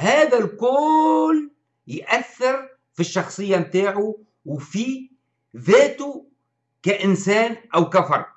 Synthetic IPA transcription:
haːðalkʊːl | jʔaθːɪɾ | fiʃːɑxsˤɨjːamt̪aːʕu | wfi | ðeːt̪u | kaʔɪnsaːnʔawkafɑɾˤ

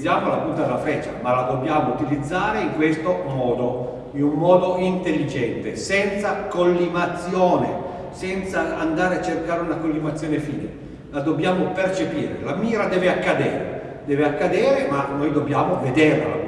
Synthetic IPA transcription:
jaːmolapunt̪ad̪elafɛt͡ʃːa̰malad̪objaːmout̪ilid̪zːaːɾeiŋkwest̪omɔːd̪o | inummɔːd̪oint̪elːid͡ʒɛnt̪esɛnt̪sakolːimat̪sːjoːnḛ | sɛnt̪saand̪aːɾeat͡ʃːerkaːɾeunakolːimat̪sːjoːnefiːnḭ | lad̪objaːmopert͡ʃepḭːɾḛlamiːɾad̪ɛːveakːad̪eːɾḛ | d̪ɛːveakːad̪eːɾemanojd̪objaːmoved̪erla̰

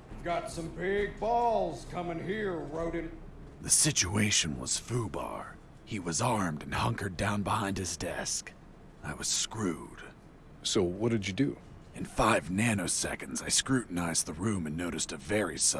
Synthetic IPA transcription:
vɡɑtsʌ̃mbɪɡ̚bɔlˠz̥kʰʌ̃mɪ̃ŋhiɹɹoʊɾɨ̃n | ðɨsɪt͡ʃueɪʃɨ̃nwʌ̰z̥fubɑ̰ɹ | iwʌzɑɹmdɨ̃nhʌ̃ŋkə˞dãʊ̃nbəhãɪ̃nd̚ɨzdɛ̰sk | aɪwʌz̥skɹʉd̥ | soʊwʌt̚d̥ɨd͡ʒɨdʉ | ɨ̃nfaɪvnænoʊsɛ̰kɨ̃ndz̥aɪskɹʉʔn̩aɪzðəɹʉ̃mɨ̃nːoʊɾɨstɨvɛɹḭsʌ

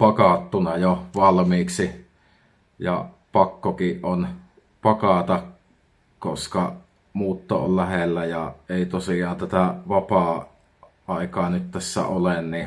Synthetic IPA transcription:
pɑkɑt̪ːunɑjoʋɑlmiːksi | jɑ̰ | pɑkːokiʔʔon | pɑkɑt̪ɑk | koskɑ | muːt̪ːo̰ʔo̰llæhelːæjɑʔeˑit̪osiˑɑːnt̪æt̪æʋɑpɑˑ | ʔɑˑekɑːnyt̪t̪æsːæ̰olenni

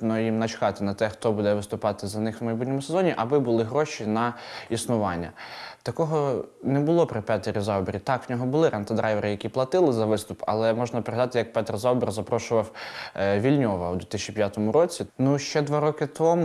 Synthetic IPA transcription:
nɔjimnɐt͡ʃkɑt̪ɪnɐt̪ɛxt̪ɔbud̪ɛʋɪst̪ʊpɑt̪ɪzɐnɪxwmɐjbutʲnʲɔmʊsezɔnʲiʔɐbɪbʊlˠɪɦɾɔʃʲinɐisnʊʋɑnʲːɐ̰t̪ɐkɔɦɔnɛbʊlˠɔpɾɪpɛt̪eɾʲizɑwbeɾʲit̪ɑkʋnʲɔɦɔbʊlˠɪɾʔɐnt̪ɐd̪ɾʔɑjʋeɾɪjɐkʲiplˠɐt̪ɪlˠɪzɐʋɪst̪ʊpɐ̰lˠɛmɔʒnɐpɾeɦɐd̪ɑt̪ɪjɐk̚pɛt̪rzɑwberzɐpɾɔʃʊʋɐwʋʲilʲnʲɔʋɐud̪ʋʲit̪ɪst͡ʃʲipʲjat̪ɔmʊɾɔt͡sʲinuʃt͡ʃɛd̪ʋɑɾɔkɪt̪ɔmʊ

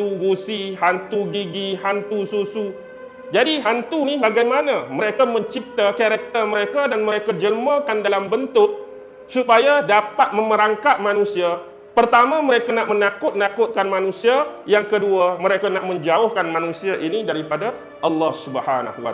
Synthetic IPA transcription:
t̪uɡusiɦant̪uɡiɡiɦant̪ususu | d͡ʒadiɦant̪unibaɡajmanaməɾekamə̃ɲt͡ʃip̚t̪akaɾak̚t̪əməɾekadanməɾekad͡ʒəlmakandalambənt̪ʊk̚ | supajadapat̪̚mə̃məɾaŋkat̪̚mãnũsia | pərt̪amãməɾekanaʔmənakʊt̪̚nakʊt̪̚kanmanũsiajaŋkəduamə̃ɾekanaʔmə̃ɲd͡ʒaʊhkanmanũsiaʔinidaɾipada | ʔɑlːɑhsubəhana̰hwa̰

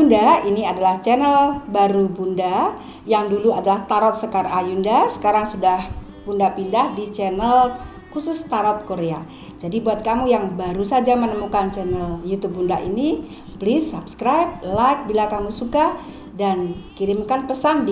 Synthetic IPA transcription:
undainiadalaht͡ʃɛnəlbaɾubunda | jaŋduluadalaht̪aɾɔt̪̚səkaɾajundasə̥kaɾaŋsudah | bundapindahdit͡ʃɛnəl | kusʊst̪aɾɔt̪̚koɾea | d͡ʒadibuat̪̚kamujaŋbaɾusad͡ʒamənəmukant͡ʃɛnəljut̪ub̚undaʔḭni | blɪsːapskɾajp̚lajk̚bilakamusuka | dankiɾɪmkanpəsand

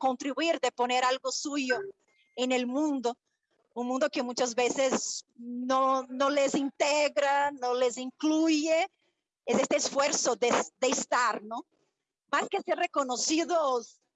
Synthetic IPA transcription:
kõnt̪ɾiβuiɾd̪eponeɾalɡosujo | enelmũnd̪o | ũŋmũnd̪okemũɲt͡ʃazβeseznonolezint̪eɣɾanõleziŋkluje | esest̪eːsfweɾsodesd̪eːst̪aɾno | maskeseɾrekonosiðos

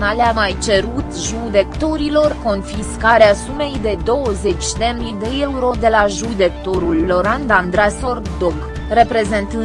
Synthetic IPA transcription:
naleamajt͡ʃe̞ɾut̪ʒud̪e̞kt̪o̞ɾilo̞rko̞nfiskaɾeasume̞jd̪e̞d̪o̞wəze̞t͡ʃʲd̪e̞mnid̪e̞euɾo̞d̪e̞laʒujd̪e̞k̚t̪o̞ɾulːo̞ɾand̪and̪ɾaso̞rd̪oɡ | re̞pɾe̞ze̞nt̪ɨ

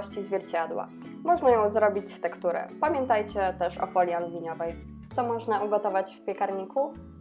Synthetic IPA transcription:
ɕt͡ɕizvʲjɛɾt͡ɕad̪wa̰ | mɔʐnajɔ̃w̃zɾɔbʲit͡ɕst̪ɛkt̪uɾɛ̰pamʲjɛnt̪ajt͡ɕɛt̪ɛʂɔ̰fɔlʲjialvʲiɲɔvɛj | t̪sɔmɔʐnauɡɔt̪ɔvat͡ɕfpʲjɛkaɾɲikʰu

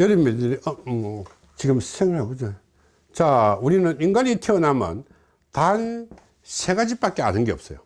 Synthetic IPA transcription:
jʌɾɯmːidɯɾʌ | t͡ɕiɡɯmsʰeŋɭakɯd͡ʑo | t͡ɕauɾinɯniŋɡwaɾitʰeonamʌ̰n | tan | sʰeɡad͡ʑip͈ak͈ea̰nɯnɡeʌp̚s͈ʌjo

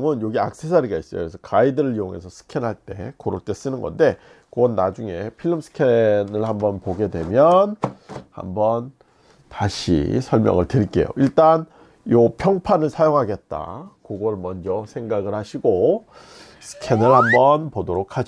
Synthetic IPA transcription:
ŋɯnjoɡia̰k̚s͈ʰesʰaɾiɡais͈ʌjo̰kɾesʰʌkaidɯɾɯɭijoŋe̞̰sʰʌsʰɯ̥kʰenɦaɭt͈e̞̰koɾok̚t͈e̞s͈ɯnɯnɡʌ̰nde̞ | kɯʌnːad͡ʑuŋe̞pʰiɭːɯmsʰɯ̥kʰenɯɭhambʌnpoɡe̞dwe̞mjʌnha̰mbʌn | taɕʰḭsʰʌɭmjʌ̰ŋɯɭtɯɾik͈e̞̰jo̰ʔiɭt͈an | jopʰjʌŋpʰanɯɭsʰajoŋɦaɡe̞t̚t͈a̰koɡʌmʌnd͡ʑʌsʰe̞ŋɡaɡɯɭhaɕʰiɡo | sʰɯ̥kʰenɯɭhambʌnpodoɾokʰad͡ʑ

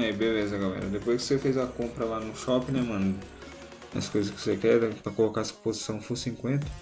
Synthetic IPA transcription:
ɛbelezɐɡalɛ̰ɾɐ̰d̪epojskɪ̥sefezɐkõmpɾɐlanʊʃɔpɪnɛmɐ̃nd̪ʊ | ɐ̰skojzɐskɪ̥sekɛd̪ɛpɾɐkolokasɐ̥pozisɐ̃w̃fosĩŋkwẽnt̪ɐ̥

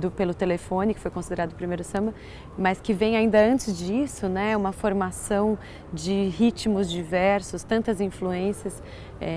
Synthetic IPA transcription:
d̪ʊpelʊt̪elefõnɪkɪ̥fojkõsid̪eɾad̪ʊpɾimejɾʊsɐ̃mɐ | mɐskɪvẽj̃aĩnd̪ɐɐ̃nt͡ʃɪzd͡ʒisʊnɛũmɐfoɾmasɐ̃w̃ | d͡ʒɪhit͡ʃmʊzd͡ʒivɛɾsʊst̪ɐ̃nt̪ɐzĩfluẽsiɐs | ɛ

